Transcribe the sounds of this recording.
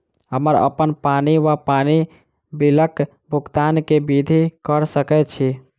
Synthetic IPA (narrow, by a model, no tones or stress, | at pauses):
ɦəməɾə̰pənpaniʋapani | bilək | bʱukt̪ankebid̪ʱikəɾsəkɛt͡ʃʰi